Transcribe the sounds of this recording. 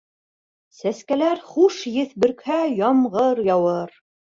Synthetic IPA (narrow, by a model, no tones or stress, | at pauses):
sæskælæɾχuʃjɘ̆θbɵ̆ɾkhæjɑmʁɤɾjɑwɤɾ